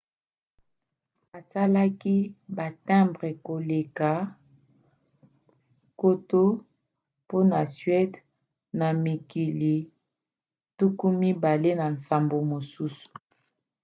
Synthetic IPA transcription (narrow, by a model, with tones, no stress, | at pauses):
a˨sa˦la˦ki˦ba˨tã˦mbʁe˨ko˨le˨ka˨˦ | ko˦to˦ | po˦na˨sɥɛ˦d | na˨mi˨ki˨li˨ | tu˦ku˦mi˦ba˨le˦na˨n˨sa˨mbo˨mo˨su˦su̥˨